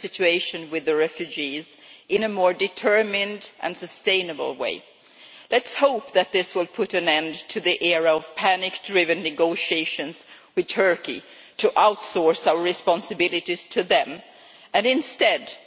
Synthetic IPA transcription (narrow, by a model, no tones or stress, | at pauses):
sɪt͡ʃʉeɪʃɨ̃nwɨðɨɹɛfjʉd͡ʒizɨ̃nɨmɔɹdɨtʰɜ˞mɪ̃ndʔɨ̰̃nsɨstẽɪ̃nɨb̰l̩ˠwḛɪ | lɨtshoʊp̚ðɨt̪̚ðɪswɪlˠpʰʊɾɨ̃nɛ̃ntʰɨðiʔɛɹəʌv̥pʰænɨk̚d̥ɹɪvɨ̃nːɨɡoʊʃieɪʃɨ̃nz | wɨð̥tʰɜ˞kḭ | ɾʰɨʔaʊtsɔɹsaʊə˞ɹɨspɑ̃nsɨbɪlˠɨɾiz̥tʰɨðɨ̃m | ɨ̃nɨ̃nstɛd